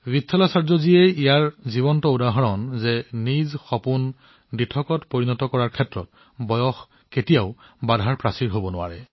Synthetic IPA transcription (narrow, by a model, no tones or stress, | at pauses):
bitʰːɔlasaɹzɔziejijaɹziβɔntɔudaɦɔɹɔnzɛnizxɔpun | ditʰɔkɔtpoɹinɔtɔkɔɹaɹkʰɛtɹɔ̰t̚ | bɔjɔx | ketijaʊbadʱaɹpɹasiɹɦobɔnʊwa̰ɹɛ̰